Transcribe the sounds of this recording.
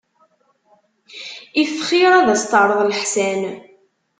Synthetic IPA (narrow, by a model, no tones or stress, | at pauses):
ifχiɾˤæðæst̪ɑɾˤəðˤlħsæn